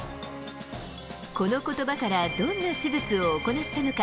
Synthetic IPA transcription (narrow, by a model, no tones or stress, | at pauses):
ko̞no̞ko̞t̪o̞bakaɾad̪õnːaɕibɯt͡sɨo̞ːko̞nat̪ːano̞ka